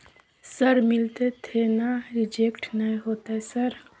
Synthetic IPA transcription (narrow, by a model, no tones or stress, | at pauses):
səɾmɪlt̪et̪ʰenaɾɪd͡ʒeːkʈnəɦĩɦoːt̪aɦɛsəɾ